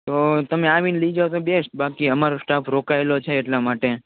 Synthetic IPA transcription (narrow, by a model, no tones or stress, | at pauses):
t̪ot̪əmeaʋinləid͡ʒaot̪obesʈbakiəmaɾosʈaːfɾokaelot͡ʃʰeːʈlamaʈe